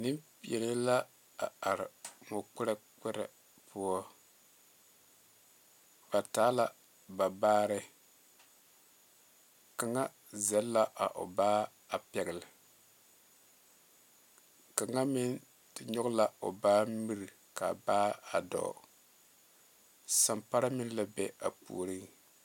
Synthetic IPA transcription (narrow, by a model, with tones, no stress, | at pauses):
nɪ˦mpɛ˨le˦la˦ | a̰˨a˨ɾɪ˨mo˨k͡pɪ˦ɾɛ˦k͡pɛ˦ɾɛ˨ | pʰʊ˦ɔ˦ | ba˨taː˨˦la˦˨ | ba˨baː˦ɾɪ˦ | ka˨ŋa˦ | zɛ˨˦lːa˦ʔa̰˨ʔo̰˨baː˦ | a˨pɛ˨ɡɪ˨lɪ˨ | ka˨ŋa˦mɪ˦n | tɪ˨ɲɔ˦ɡla˦o̰˨baː˦mi˦ɾi˨ | ka̰˨baː˦a˨dɔ̰˨ | sa˨mpa˦ɾa˦mɪ˦n˦la˦bɛ˦a̰˨pṵː˨ɾi˦